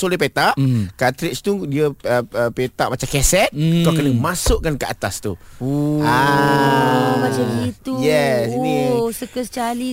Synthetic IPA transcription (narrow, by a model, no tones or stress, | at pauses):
solipet̪aʔkat̪ɾɪkst̪udiəəəpet̪aʔ̚mat͡ʃamkɛsɛt̪̚kakənəmasʊʔkankəa̰t̪ast̪u | a | mat͡ʃait̪ujɛsinĩsəkəst͡ʃali